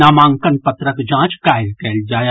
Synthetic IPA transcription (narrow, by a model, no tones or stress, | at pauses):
aːmãːŋkənpɐt̪ɾəkd͡ʒãːt͡ʃkaːɪlkɛːld͡ʒaːj